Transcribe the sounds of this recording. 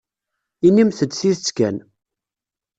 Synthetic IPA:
inːimθəd̪θiθət͡sːkæn

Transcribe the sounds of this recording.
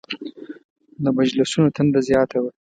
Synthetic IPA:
labad͡ʒlasunot̪ʰand̪azjɑt̪awa

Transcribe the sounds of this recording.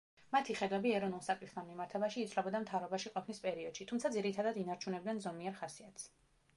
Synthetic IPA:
mat̪ʰiχɛd̪wɛbiɛɾɔnulˠsakʼit̪χt̪ʰanmimaɾt̪ʰɛbaʃiːt̪sʰlɛbɔd̪amt̪ʰavɾɔbaʃiqʼɔpʰnispʼɛɾiɔd̪̥ʃit̪ʰumt̪sʰad̪ziɾit̪ʰad̪ad̪inaɾt͡ʃʰunɛbd̪ɛnzɔmiɛɾχasiat̪ʰs

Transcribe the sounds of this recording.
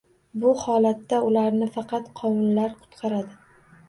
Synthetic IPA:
bʊhɒlat̪ːaʊlaɾnɪfɑqɑt̪qʰɒmɪlːaɾqʰʊ̥t̪qʰɑɾad̪ɪ

